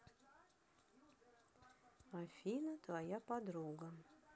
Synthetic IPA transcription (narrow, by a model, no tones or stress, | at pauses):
afʲinət̪vɐjapɐd̪ɾuɡə